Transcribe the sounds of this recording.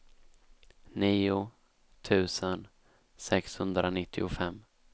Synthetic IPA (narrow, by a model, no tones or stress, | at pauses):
niːʊ | t̪ʰʉ̟ːsən | sɛkshɵnd̪ɾʔanɪt̪ʰːɪ̰ʊfɛmː